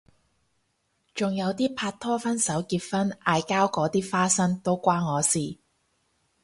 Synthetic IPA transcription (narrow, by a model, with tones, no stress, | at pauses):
t͡sʊ˨ŋjɐ˨˧wt̪iː˥pʰaː˧t̚t̪ʰːɔː˥fɐ˥nsɐ˨˥wkiː˧t̚fɐ˥naː˧jkaː˥wkɔː˨˥t̪iː˥faː˥sɐ˥ŋt̪o˥wkʷaː˥nŋɔː˨˧siː˨˩